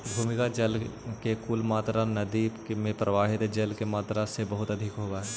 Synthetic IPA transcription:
bʱuːmɪkad͡ʒɐlkekulmaːt̪ɾanɐd̪imẽpɾəʋaːɦɪt̪d͡ʒɐlkemaːt̪ɾasebɐɦʊt̪ɐd̪ʱɪkɦoːɡaɦɛː

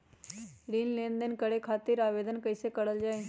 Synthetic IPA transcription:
ɾiːnleːnd̪ənkəɽekʰaːt̪ɪɾaːʋeːd̪ənkəɪsekəɽəld͡ʒaːe

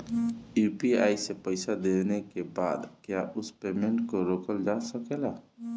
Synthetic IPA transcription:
upiajsɛpəjsad̪ɛnɛkɛba̰d̪kɛjaʔuspemɛɳʈkɔɾɔkɔld͡ʒasɔkɛla

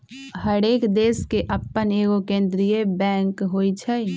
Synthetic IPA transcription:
həɽeːkd̪eːskeʔəpːəneːɡokẽːnd̪ɾijebɛ̃ːŋkɦoːit͡ʃʰɛ

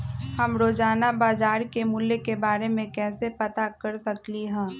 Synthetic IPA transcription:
hɐmɾoːd͡ʒaːnabaːzaːɾkemʊljekebaːɾemẽkɛːsepɐt̪akɐɾsɐkliɦɛ̃ː

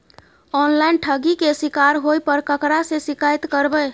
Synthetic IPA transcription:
ɔnlajnʈʰəɡikesikaɾɦojpəɾkəkɾasẽsikajt̪kəɾbə

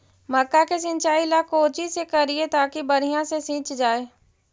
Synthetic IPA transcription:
mɐkːakes̬ɪ̃ɲt͡ʃaːilakoːt͡ʃisekɐɾiet̪aːkibɐɾijãsesĩːt͡ʃd͡ʒaːeː

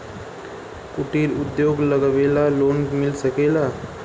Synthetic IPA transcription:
kuʈiɾud̪joɡləɡbelalonmilsəkela

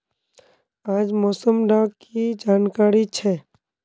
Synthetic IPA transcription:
aːd͡ʒmɔːsəmɖaːɡkid͡ʒaːnkaːɾit͡ʃʰɛː

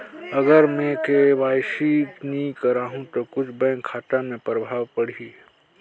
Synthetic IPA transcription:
ɐɡəɾmɛ̃keʋaːjʃiknĩkəɾaːɦũt̪okʊt͡ʃʰbɛ̃ːŋkʰaːʈ̪amẽpɾəbʱaːwpəɽ̤i

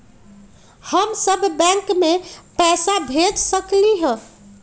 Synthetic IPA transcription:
həmsəbːɛ̃ŋkmepɛsabʱed͡ʒsəkliɦə̃

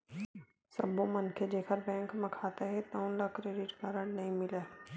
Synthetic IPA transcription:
sɐ̰bõmɐnkʰed͡ʒeːkʰəɾbɛ̃ːŋkmɐkʰaːt̪eɦɛt̪ɐʊ̃nlɐkɾeːɖɪʈkaɾəɽnɐɦĩmɪla

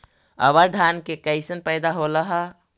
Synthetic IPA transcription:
ə̰bəɾd̪ʱankekəɪsənpəɪd̪aɦoləɦə

